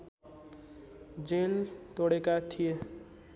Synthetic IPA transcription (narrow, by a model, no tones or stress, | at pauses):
d͡ʒelt̪oɽekat̪ʰije